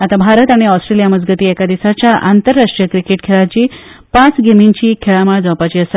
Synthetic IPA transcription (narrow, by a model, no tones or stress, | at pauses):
at̪abʱaɾət̪aɽ̃iɔsʈɾelijaməd͡zɡət̪iːɛkad̪isat͡ɕjaʔant̪əɾːaʂʈɾijəkɾikeʈ̚kʰeɭat͡ɕiː | pãt͡sɡemiɲt͡ɕiːkʰeɭamaɭd͡zawpat͡ɕiːəsa